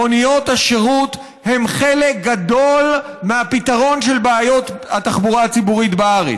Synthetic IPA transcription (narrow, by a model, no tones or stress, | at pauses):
onijo̞thaʃeʁut̪ | he̞mχelek̚ɡad̪o̞l | meapit̪aʁo̞nʃe̞lbeajo̞t̪hat̪aχbuʁaat͡sibuʁit̪beaʁḛ